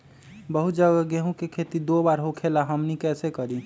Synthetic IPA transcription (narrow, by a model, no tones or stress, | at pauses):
bəɦut̪̚d͡ʒəɡɡeɦũkekʰet̪id̪obaɾɦokʰelaɦəmnikɛːsekəɾi